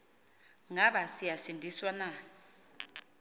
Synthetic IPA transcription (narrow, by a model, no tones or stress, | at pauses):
ŋaɓasijasindʱiswana